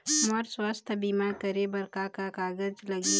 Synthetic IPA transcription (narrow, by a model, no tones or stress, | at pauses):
məɾswaːst̪ʰəbiːmaɾkəɾebɐɾkakakaːɡəd͡ʒlɐɡi